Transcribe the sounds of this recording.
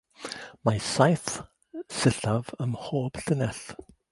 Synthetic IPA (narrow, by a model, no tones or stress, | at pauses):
masajθ | sɪɬavəmhoːb̥ɬənɛɬ